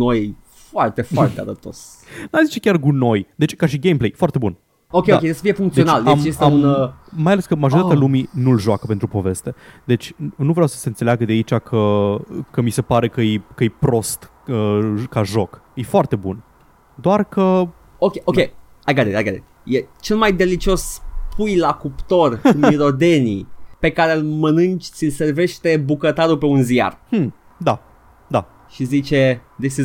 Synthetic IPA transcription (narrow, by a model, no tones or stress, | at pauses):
noje | foart̪efoart̪ealəp̚t̪o̰s | najzit͡ʃe̞kʲarɡuno̞jd̪et͡ʃʲkaʃiɡejmplejfoart̪e̞bun | okʲeokej̪esə̥fiefuŋkt̪eio̞naljemjest̪aunmajaleskəmaʒoɾit̪aat̪aluminulʒoakəpe̞nt̪ɾupo̞ve̞st̪e̞d̪e̞t͡ʃʲnuvɾeawsə̥se̞ɨnt̪selaɡəd̪eait͡ʃakʰəkəmise̞paɾe̞kəjekəjpɾo̞st̪ | əkaʒo̞kefoart̪e̞bun | d̪oarkə | okʲeʔokʲe | aɡad̪et̪ajɡad̪ḛt̪ʲ | jet͡ʃe̞lmajd̪e̞lit͡ʃio̞spujlakupt̪o̞rkumiɾo̞d̪e̞nḭpe̞kaɾelmənɨnt͡ʃt̪silʲse̞rve̞ʃt̪e̞bukət̪aɾupe̞unzija̰r̩ | d̪a | d̪a | ʃizit͡ʃe̞d̪et͡ʃs